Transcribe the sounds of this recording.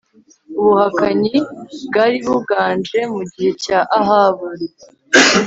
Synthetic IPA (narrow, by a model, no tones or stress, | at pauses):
uβuhakaɲiβɡaɾiβuβɡaːnd͡ʒe̞muɟihe̞caʔaɦaβuɾe